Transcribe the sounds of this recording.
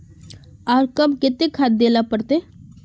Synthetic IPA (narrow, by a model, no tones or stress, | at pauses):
aːɾkəbkɪt̪ekʰat̪̚d̪eːlapəɽt̪e